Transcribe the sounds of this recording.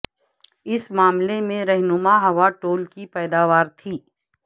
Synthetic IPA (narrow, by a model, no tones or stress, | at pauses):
ɪsmaːmlemẽɾɛɦnʊmaɦɐʋaʈoːlkipɛːd̪aːʋaːɾt̪ʰiː